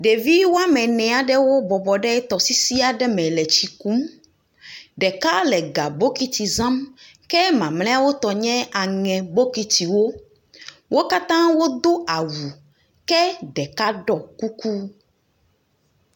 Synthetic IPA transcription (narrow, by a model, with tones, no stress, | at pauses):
ɖe˨vi˦wo˦a˦mɛ̃˨nɛ̃˨a˨ɖɛ˦wo˦bɔ˨bɔ˨ɖɛ˦t̪ɔ˨si˦si˦a˨ɖɛ˦mɛ̃˨lɛ˨t͡ɕi˨ku˦m | ɖɛ˨ka˦lɛ˨ɡa˨bo˦ki˦t̪i˨zã˦m | kɛ˦mã˨mlɛ˦a˦wo˦t̪ɔ˨ɲɛ̃˦a˨ŋɛ̃˨bo˦ki˦t̪i˨wo˦ | wʔo˦ka˦t̪ã˦wo˦d̪o˦ʔa˨wu˨ | kɛ˦ɖɛ˨ka˦ɖɔ˦ku˦ku˦